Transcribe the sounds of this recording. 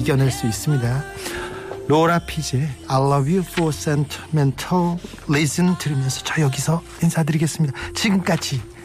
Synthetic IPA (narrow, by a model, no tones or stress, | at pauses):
iɡjʌnɦaɭs͈uis͈ɯmɲida | loɾapʰid͡ʑeaɭːʌwifos͈entʰimentʰʌː | esɯntɯɾimjʌnsʰʌt͡ɕʌjʌɡisʰʌ | insʰadɯɾiɡe̞s͈ɯmɲidat͡ɕiɡɯmk͈ad͡ʑi